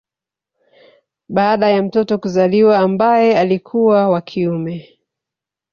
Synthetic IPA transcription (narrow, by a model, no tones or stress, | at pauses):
ɓaːɗajam̩tɔtɔkuzaliwaːmbajɛalikʰuwawakʰiumɛ